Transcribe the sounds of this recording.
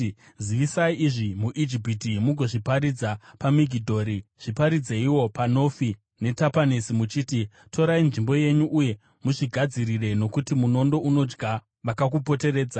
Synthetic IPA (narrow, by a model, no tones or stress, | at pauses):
ziʋisaiiʐimuʔid͡ʒip̬itimuɡʱo̞ʐipaɾid͡zapamiɡʱidʱo̞ɾiʐ̥ipaɾid͡zeiwo̞pano̞fi | ne̞tapanisimut͡ʃiːti | tʰo̞ɾainʐimbo̞je̞ɲuʔuje̞ | muʐiɡʱad͡zirire̞no̞kutimuno̞ndo̞ʔuno̞d͡ʒɡa | ʋakak̬upo̞te̞re̞ːd͡za